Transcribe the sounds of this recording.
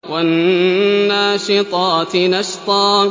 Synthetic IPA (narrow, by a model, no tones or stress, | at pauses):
wanː | aːʃɨt̪ˤɑːt̪nɑʃt̪ˤɑː